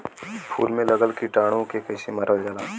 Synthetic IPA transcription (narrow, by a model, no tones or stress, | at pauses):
pʰṵːlmẽlɐɡəlkiʈaːɽ̃õkekɐɪsimɐɾəld͡ʒəlaː